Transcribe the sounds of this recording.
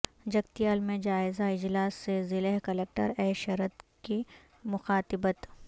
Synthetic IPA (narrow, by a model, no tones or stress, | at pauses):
d͡ʒɐɡt̪ijaːlmẽd͡ʒaːɪzaɪd͡ʒlaːsːezɪleɦkɐlɛk̚ʈə̰ɾɛːʃɐɾət̪ki | mʊxaːt̪ɪbət̪